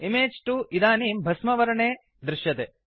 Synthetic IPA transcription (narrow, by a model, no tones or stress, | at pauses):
imeːd͡ʒʈuʔid̪aːniːmbʱɐsmɐʋɐɾɐɳeː | d̪ɾiʃjɐt̪ḛː